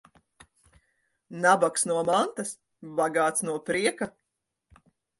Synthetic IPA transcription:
nabaksnuɔmant̪as | baɡaːt̪snuɔpɾiɛka

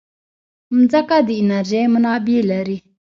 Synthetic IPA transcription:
m̩d͡zakad̪iinarɛmənabelaɾe

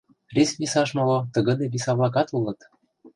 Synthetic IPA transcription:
rʲesmʲisɑʃmolot̪ə̆ɣɤ̆d̪ebʲisɑβlˠɑk̬ɑt̪ulɤ̆t̪

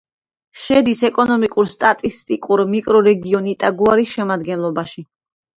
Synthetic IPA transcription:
ʃɛd̪isɛkʼɔnɔmikʼuɾst̪ʼat̪ʼist̪ʼikʼuɾmikʼɾɔɾɛɡiɔnit̪ʼaɡuaɾisʃɛmad̪ɡɛnlˠɔbaʃi

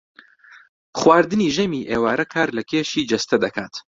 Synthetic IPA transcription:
χwaːɾd̪ɨniːʒɐmiːʔeːwaːɾʔɐkʰaːɾlɐkʲʰeːʃiːd͡ʒɐst̪ʰɐd̪ɐkʰaːt̪

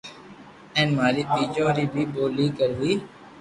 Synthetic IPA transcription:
ɛ̃ːnmaːɾiːtiːd͡ʒõːɾiːbʱiːɓoːliːkəɾʋiː

